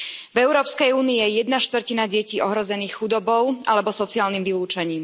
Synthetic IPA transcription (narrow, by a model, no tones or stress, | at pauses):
vɛʊɾɔːpskɛjuːnijɛjɛd̪naʃt̪ʋr̩cinaɟɛciːʔɔɦɾɔzɛniːxxud̪ɔbɔʊʔalɛbɔsɔt͡siaːlnimʋiluːt͡ʃaɲiːm